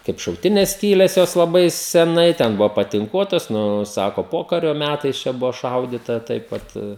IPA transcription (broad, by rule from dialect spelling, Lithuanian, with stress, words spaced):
kɐɪp ʃɐʊˈtʲɪnʲɛs ˈsʲkʲiːlʲɛs ˈjoːs lˠɐˈbɐɪ sʲɛˈnɐɪ tʲɛn ˈbʊʋoː pɐtʲɪŋˈkuɔtɐs ˈnʊ ˈsɑːkoː ˈpoːkɐrʲoː ˈmʲætɐɪs t͡ʃʲɛ ˈbʊʋoː ˈʃɐʊdʲiːtɐ ˈtɐɪp ʋɐt